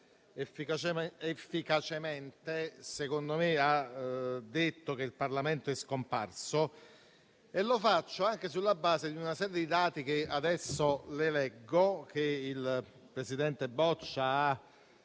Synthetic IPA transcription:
efiefːikat͡ʃement̪esekond̪omea | d̪ːet̪ːok̟eilparlament̪oɛskompa̰rso | elːofat͡ʃːoaŋk̟esulːabːaːzed̪iunasɛːɾjed̪id̪aːt̪ik̟ead̪ɛsːolelɛɡːok̟eil | pɾesid̪ɛnt̪ebɔt͡ʃːaa

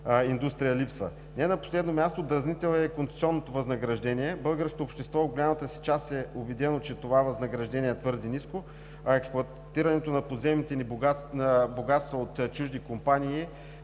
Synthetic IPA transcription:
ind̪ust̪ɾijəlipsvə̰ | nɛnɐpo̥slɛd̪nomʲjast̪od̪ɾznit̪ɛlˠɛɛkont̪ɛ̥sʲiɔnːot̪ovɐznɐɡɾɐʒd̪ɛniɛbɤlˠɡəɾsko̥t̪oːpʃt̪ɛst̪vɔɡolʲamət̪əsi̥t͡ʃast̪ɛʊbɛd̪ɛnot͡ʃɛt̪ovavɐznɐɡɾɐʒd̪ɛniɛt̪vɤɾd̪inisko | ɐɛksplˠʊɐ | t̪iɾɐnɛt̪onɐpod̪zɛmnit̪ɛninboɡat̪st̪vəot̪t͡ʃuʒd̪ikompanʲiː

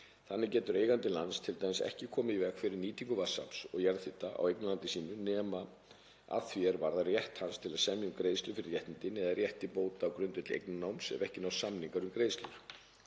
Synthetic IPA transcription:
θanːɪcɛːt̪ʏɾeːjɣant̪ɪlanst̪ʰɪlt̪aːjmɪsɛ̰hcɪkʰɔːmɪivɛkfɪɾɪɾniːt̪iŋkʏvasa̰psɔ̰ɣjɛɾðθɪt̪aʔa̰wejknʏlant̪ɪsiːnʏnɛːma | a̰θvjɛɾvaɾðarjɛht̪hanst̪ʰɪlaðsɛmjʏmkɾeːjst̪lʏfɪɾɪɾjɛht̪nɪnt̪ɪnɛðarjɛht̪ipoːwt̪aːwkɾʏnt̪ʏt̪lḛjk̚nnawmsɛ̰mɛhcɪnawsamniŋkaɾʏmkɾeːjst̪lʏɾ̥

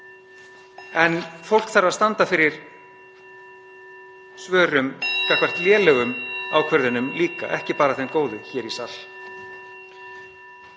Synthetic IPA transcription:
ɛnfowl̥kθaɾaðst̪ant̪afɪɾɪɾ̥ | svœːɾʏmkahkvar̥t̪ljɛːlɛɣʏmaːwkʰvœɾðʏnʏmliːka̰ʔɛhcɪpaːɾaθejnkoːwðʏçɛːɾisal

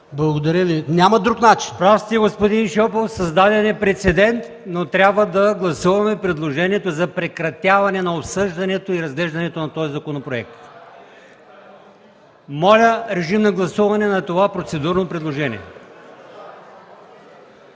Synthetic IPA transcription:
blˠɐɡod̪ɐɾʲəvinʲamɐd̪ɾuknat͡ʃinpɾafst̪iəɡospod̪inʃɔpofsɐzd̪ad̪ɛnɛpɾɛt̪sɛd̪ɛnt̪ | not̪ɾʲabvəd̪ɐɡlˠɐsuvɐmɛpɾɛd̪lˠoʒɛniɛt̪ozɐpɾɛkɾɐt̪ʲjavɐnɛnɐopsɤʒd̪ɐnɛt̪oiɾɐzɡlɛʒd̪ɐnɛt̪onɐt̪ɔjzɐkonopɾoɛk̚t̪ | mɔlʲəɾɛʒimnɐɡlˠɐsuvɐnɛnɐt̪ovapɾot̪sɛd̪uɾnopɾɛd̪lˠoʒɛnḭɛ̰

